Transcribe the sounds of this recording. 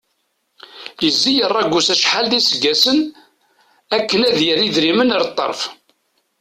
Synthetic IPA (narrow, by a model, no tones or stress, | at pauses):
jəzːijərˤːɑɡʷːusæʃħalðisəɡːæsən | ækːənæðjəɾiðɾimənəɾt̪ˤːɑ̰ɾˤf